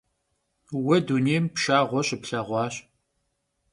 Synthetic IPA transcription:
wɐduneːmpʃaːʁʷɔɕɪpɬɐʁʷɑːɕ

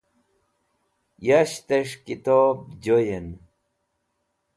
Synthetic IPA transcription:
jaɕt̪eʂkit̪ob̚d͡ʑojen

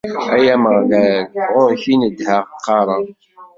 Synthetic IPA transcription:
æjæməʁðælʁʊɾçinəd̪hæʁqʰːɑɾˤɑ

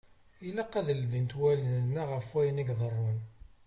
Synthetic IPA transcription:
ilæqːæðəld̪int̪wælənnːæʁəfwæjəniɡðˤərˤːun

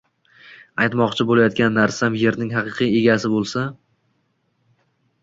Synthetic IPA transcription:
ajt̪mɒqt͡ʃʰɪbolajɒt̪̚kʲanːaɾsamje̞ɾnɪŋɦɑqɨqʰije̞ɡʲasɪbolˠsa

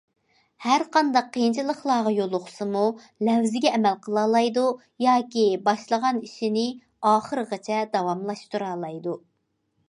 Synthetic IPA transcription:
hæɾqʰɑnd̪ɑqʰːəjint͡ʃʰilˠəχlˠɑːʁɑjolˠʊχʊ̥sɨmu | lɛwzɪɡʲɛːmɛlqʰəlˠɑːlˠɑjd̪u | jɑːkʲibɑʃlˠəʁɑniʃinɪ | ɑːχəɾəʁɑt͡ʃʰɛd̪ɑwɑmlˠɑʃt̪uɾɑːlˠɑjd̪u

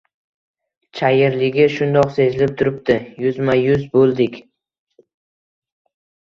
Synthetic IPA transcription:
t͡ʃʰajɪɾlɪɡʲɪʃʊnd̪ɒqse̞zɪlɪp̚t̪ʰʊɾɪp̚t̪ʰɪjʊzmajʊzbolˠd̪ɪkʲ

